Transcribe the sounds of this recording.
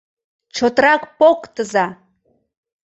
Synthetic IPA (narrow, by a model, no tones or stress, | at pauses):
t͡ʃʰot̪rakʷpokʼt̪ʰɨza